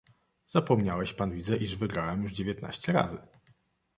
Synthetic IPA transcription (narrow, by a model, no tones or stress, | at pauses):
zapɔmɲawɛɕpanvʲidzɛʔiʐvɘɡɾawɛmjuʐd͡ʑevʲjɛt̪na̰ɕt͡ɕɛɾa̰zɘ